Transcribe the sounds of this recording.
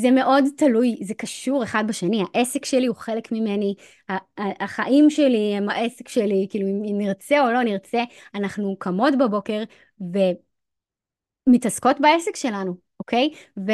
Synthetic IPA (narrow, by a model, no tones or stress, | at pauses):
zeme̞ʔo̞dtalujzekɐʃuʁeχad̚baʃeniaʔe̞sekʃeliuχelekmimeni | haːχaʔimʃeliemaʔesekʃelikiːluimimniʁt͡seo̞lo̞niʁt͡seanaχnukʰamo̞tbabo̞ke̞ʁ | ve̞ | mitasko̞tbaesekʃe̞lanu | okejve